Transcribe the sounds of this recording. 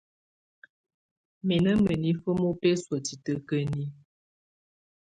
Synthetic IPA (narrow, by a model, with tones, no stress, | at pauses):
mɛ˨nə˦mə˨ni˦fə˦mo˦pe˦swə˨ti˨tə˦kə˦ni˦